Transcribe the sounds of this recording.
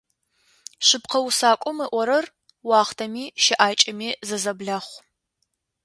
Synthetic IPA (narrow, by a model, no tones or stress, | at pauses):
ɕɨpqʰɐwsaːkʷʼɔmɨʔʷɔɾɐr | wɑːχtʰɐmiːʃɪʔaːt͡ʃʼɐmiːzɐzɐbɮɐχʷ